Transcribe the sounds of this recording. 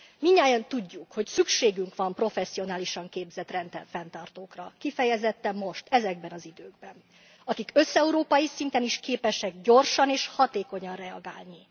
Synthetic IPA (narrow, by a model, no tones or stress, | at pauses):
miɲːaːjɒnt̪uɟːukho̞csykʃeːɡyŋkʋɒmpro̞fɛsːio̞naːliʃɒŋkeːbzɛt̪rɛnt̪ɛfɛnt̪ɒrt̪oːkrɒkifɛjɛzɛt̪ːɛmo̞ʃt̪ɛzɛɡbɛnɒzid̪øːɡbɛn | ɒkikø̞sɛuɾoːpɒjisint̪ɛniʃkeːpɛʃɛɡɟo̞rʃɒneːʃhɒt̪eːkoɲɒnrɛɒ̰ɡaːlni